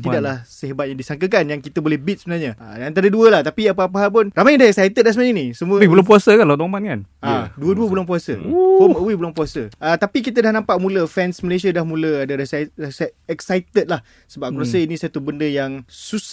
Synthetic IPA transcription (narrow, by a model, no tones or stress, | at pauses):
t̪idaʔlahsəɦabat̪̚ɲaŋdisaŋkəkanjaŋkit̪əbolɛhbit̪̚səbənalɲaə̰dant̪aɾəduəlaht̪apiap̬əap̬əɦalp̬ʊnramajdahɛksajt̪ət̪̚lasəmaĩnisəmũəwibəlap̬uasəkanlat̪amankanʔaduəduəbəlaŋp̬uasə̰homəwibəlaŋpuasəət̪apikit̪̬ədahnãmpaʔmũləfɛnsməlesiadahmũləadəɾəsaəsaɛksajt̪ət̪̚lah | səbap̚kuasəinĩsat̪ubəndəjaŋsus